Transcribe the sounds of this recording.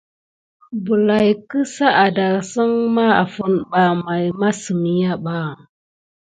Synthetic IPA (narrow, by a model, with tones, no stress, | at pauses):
bu˨la˨jkə˦sa˦ʔa˨da˨ɾsə˦ŋma˦a̰˨fu˦nɓa˨ma˨jma˦sə˨mi˨ja˦ɓa˦˨